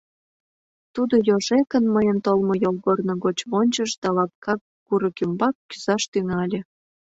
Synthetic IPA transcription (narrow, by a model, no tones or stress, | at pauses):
t̪ud̪ojoʒekənməjənt̪olmə̆jolˠɣornŏɣot͡ɕβonʲt͡ɕəʃd̪̥ɑlɑp̚kɑk | ɡuɾəkəmbɑkːyz̥ɑʃt̪yŋɑlʲĕ